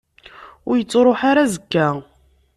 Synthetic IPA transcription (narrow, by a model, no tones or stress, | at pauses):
ʊɾjət͡sːɾˤoħaɾazəkːæ